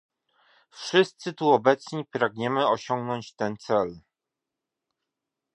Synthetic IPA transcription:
fʂɘst̪sɘt̪uɔbɛt̪sɲipɾaɡɲɛmɘɔɕɔŋɡnɔɲt͡ɕt̪ɛnt̪sɛl

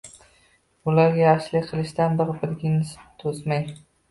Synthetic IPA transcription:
ʊlaɾɡʲajaχʃlɪqʰɨlˠɪʃt̪anbɨɾbɪɾɡʲɪnɪst̪ʰosmaj

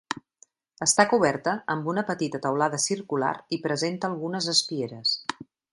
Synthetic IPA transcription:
əst̪akuβɛrt̪əəmbunəpət̪it̪ət̪əwlaðəsirkula̰ɾipɾəzent̪əːlˠɣunəzəspieɾəs

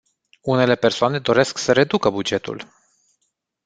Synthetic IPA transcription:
une̞le̞pe̞rsoane̞d̪o̞ɾe̞sksəɾe̞d̪ukəbud͡ʒe̞t̪ṵl

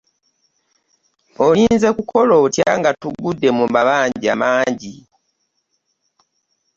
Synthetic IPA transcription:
oliːnze̞kukʰo̞lo̞tja̰ŋɡatuɡudːe̞mumbaβaːɲɟia̰maːɲɟi

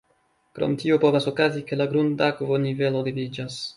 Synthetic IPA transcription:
kɾo̰mt̪iopovasokazikelaɡɾund̪akvonivelod̪ivid͡ʒas

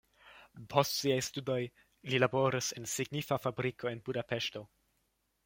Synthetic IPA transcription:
pʰo̞stsiajstudo̞j | lilabo̞ɾise̞nsiɡnifafabɾikʰo̞e̞nbudape̞ʃto̞

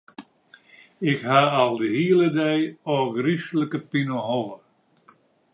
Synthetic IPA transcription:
ɪkhaalˠdəhiələdɛjɔɡrisləkəpinəɦɔlə

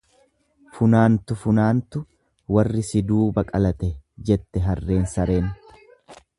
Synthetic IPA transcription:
fʊnaːnt̪ʊfʊnaːnt̪ʊ | wɐrːɪsɪd̪uːbɐkʼɐlɐt̪ɛd͡ʒɛt̪ːɛɦɐrːe̞ːnsɐɾeːn

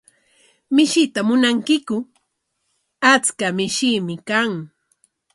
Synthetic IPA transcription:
mɪʃɪt̪amʊnaŋkɪkʊ | at͡skamɪʃiːmɪkaŋ

